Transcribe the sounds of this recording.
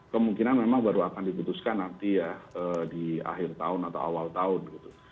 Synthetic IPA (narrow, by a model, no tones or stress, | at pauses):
kəmuŋkinanmemaŋbaɾuakandiput̪uskanːant̪ijaəːdia̰ɦɪrt̪aʊnat̪a̰wa̰walt̪aʊnɡit̪u̥